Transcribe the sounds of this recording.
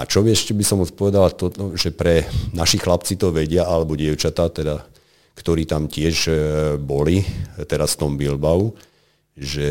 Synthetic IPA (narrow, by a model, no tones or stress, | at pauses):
a̰t͡ʃɔbiɛʃcɛbisɔmɔt͡spɔʋɛd̪alat̪ɔt̪ɔʒɛpɾɛnaʃixlap̚t͡sit̪ɔʋɛɟɪaalɛbɔɟɪɛʊt͡ʃat̪aːt̪ɛd̪a | kt̪ɔɾiːt̪amcɪɛʒbɔlit̪ɛɾasft̪ɔmbilbau | ʒɛ